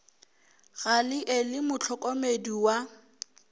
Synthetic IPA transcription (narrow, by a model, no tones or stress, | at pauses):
ɣalɪʔelɪmʊt͡ɬʰɔkʼɔmediwa